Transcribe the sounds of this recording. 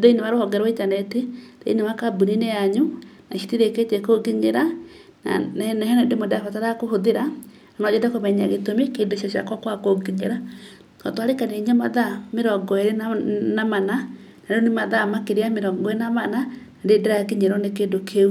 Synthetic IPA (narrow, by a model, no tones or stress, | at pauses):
ðeinewaɾohɔŋɡɛɾwaitanɛteðḛinewakabunineaɲunaʃitiɾeketɛkoɡiŋeɾa | na̰naɛnɛndemodafataɾakohoðeɾa | nɔd͡ʑetakomɛɲa̰ɣetomekeːndoʃaɕja̰kwɔkwakoɡiŋeɾa | kɔtwaɾekanieɲamaðameɾɔŋɡɔeɾennamana | naɾeɔnemaðamakeɾeameɾɔŋɡɔenamananaɾedeɾakeɲeɾɔnekendokʰeu